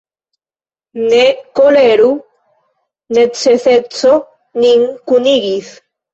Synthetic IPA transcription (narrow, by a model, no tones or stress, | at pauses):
nekoleɾu | net͡ʃeθet͡so | niŋkuniɣiθ